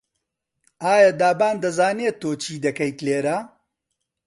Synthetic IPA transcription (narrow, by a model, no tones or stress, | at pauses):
aːjad̪aːbaːnd̪ɐzaːneːt̪ʰːoːt͡ʃʰiːd̪ɐkɐjt̪leːɾa